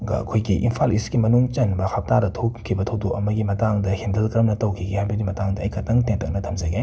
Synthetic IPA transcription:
ɡ̰ɐ̰kʰojɡiʔimpʰalisɡimɐnuŋt͡ʃɐnbɐhʰɐp̚tadɐtʰokʰːibɐtʰɐwdokɐmɐɡimɐtaŋdɐhindɐlkɾɐmnɐtɐwkʰiɡehajbɐɡimɐtaŋdɐːjkʰɐtɐŋteŋtɐk̚nɐtʰɐmzɐɡe

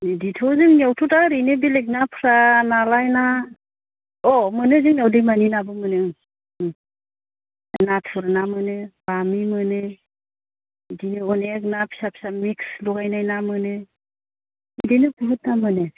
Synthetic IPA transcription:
niditʰɔzɯŋniawtʰutaɾinebilek̬̚napʰɾanalajna | ɔmɯnɯzɯŋnawdɯmaninabɯmɯnɯɯŋ | natʰɯɾnamɯnɯb̥amimɯnɯ | dinɯɔnek̚napʰi̥sapʰi̥samikslɔɡajnajnamɯnɯ | idenɯpuɦɯt̚namɯnɯ

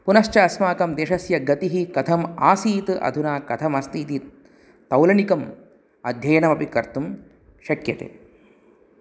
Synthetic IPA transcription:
punɐʃt͡ʃɐɐsmaːkɐmd̪eːʃɐsjɐɡɐt̪iɦikɐt̪ʰɐmaːsiːt̪ɨʔɐ̰d̪ʱunaːkɐt̪ʰɐmɐst̪iːt̪i | t̪ɐwlɐnikɐm | ɐd̪ʱjɐjɐnɐmɐpikɐɾt̪um | ʃɐkjɐt̪ḛ

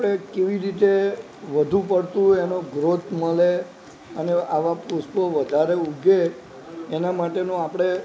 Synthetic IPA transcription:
apɽekeʋiɾit̪e | ʋəd̪ʱũp̬əɽt̪ũenoɡɾot̪ʰməle | əneʔaʋapɾut̪ʰpəʋəd̪ʱaɾeuɡʱeː | namaʈenũapɽ̃e

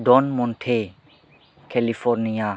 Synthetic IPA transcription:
dɔnmɔntʰe | kʰelipʰɔɾnija

